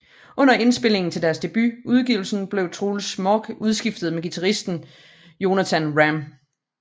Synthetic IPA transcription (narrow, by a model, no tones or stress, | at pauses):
ʔɔ̽n̰ɐe̝nsb̥e̝l̰e̝ŋn̩t͡sʰe̝ld̥æɐsd̥e̝b̥yuð̞ˠɡ̥iʊl̩sn̩b̥le̝ʊt͡sʰʁuːlsmɒɡ̥uð̞ˠsɡ̥ifd̥ð̞̩ˠmeɡ̥it͡sʰæʁisd̥n̩ | jo̝næt͡sʰænʁæm